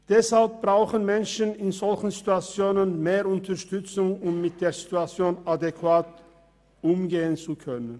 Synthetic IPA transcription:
d̥ɛshalp̚b̥ʁaʊxənmɛnʃn̩ɪnzɔlçn̩zituat͡sjoːnənmeːʁʊntʰɐʃtʏt͡sʊŋʊmːɪt̚d̥eːɐzituat͡sjoːnʔadekv̥aːt | ʔʊmɡeːənt͡sukʰœnən

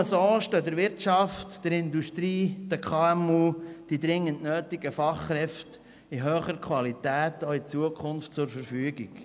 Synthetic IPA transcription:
əsoːʃtøːd̪əɾʋɪɾtt͡ʃɑftd̥əɾɪnd̪uʃtɾiːd̥̪əkʰɑːɛmuːd̥id̪ɾɪŋːənnøːtɪɡəfɑχːɾɛft | iɦøːχəɾkʰwɑlitæːtoit͡suəkʰʊnftt͡sʊɾfəɾfyəɡiɡ̥

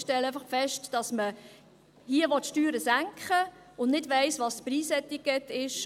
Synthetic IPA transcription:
ʃtɛlːəæɪfɑχfɛʃtd̥ɑsmə | hiəʋɔtʃtyːɾəsæŋkχə | ʊnnɪdʋæɪsʋɑstpriːsɛt̪ːik̚ɡɛtːɪʃ

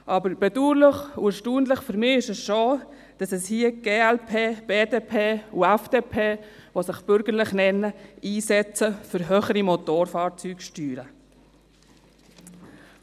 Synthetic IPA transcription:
ʔɑbəɾb̥ɛduːɾlɪχuɛɾʃtuːnlɪχfʏɾmɪːɪʃɛsʃoː | d̥ɑsɛshiəɡ̥eːɛlpʰeːb̥eːdeːpʰeːuɛfd̥eːpʰeː | vosɪχb̥ʏɾɡəɾlɪχnɛnːəiːsɛt͡səfʏɾɦøːχəɾimot̪oːɾfɑːɾt͡syːkʃtyːɾə

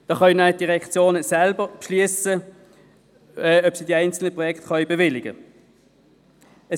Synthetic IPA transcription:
d̥ɑːχɑjnœd̥iʁɛkt͡sjoːnəsalbəʁpʃliəsə | ɛːœpsidiæɪnt͡sl̩nəpʁɔjɛktχœʏbevɪlɪɡə̰ | ə

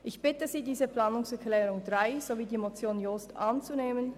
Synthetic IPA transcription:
ʔɪçb̥ɪtəziːdiːzəplɑːnʊŋsɛɐklɛːʁʊŋdʁaɪz̥oviːdiːmot͡sjoːnjostʔɑnt͡suneːmən

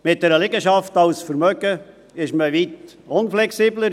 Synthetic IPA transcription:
mɪt̚d̥ɛɾəlɪɡəʃɑftɑwsfəɾmœɡə | ɪʃməʋit | ʊnflɛksiːbləɾ

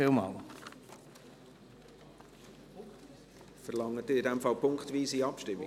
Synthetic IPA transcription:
ɪːlmɑ̰ːl | fərlɑŋːətɪɪdɛmfɑlpʰʊŋkχtʋiːsiɑpʃtɪmːɪ̰

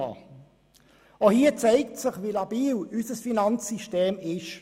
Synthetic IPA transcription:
ohiːət͡sæɪk̚tsɪχʋilɑbiːlysəsfinɑnt͡sːiʃteːmɪʃ

